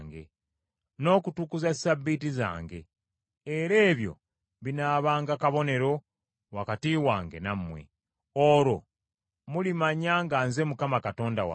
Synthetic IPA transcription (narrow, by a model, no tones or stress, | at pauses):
ŋɡe̞̰ | no̞ːkutukuzasabːitiza̰ːŋɡe̞ː | ɾe̞ːβjo̞̰ | βinaːβaːŋɡakaβo̞ne̞ɾo̞ | wakatiːwaːŋɡe̞̰namːwḛ | oɾo̞ | mulimaɲaŋɡaːnze̞mukamakato̞ːndawa̰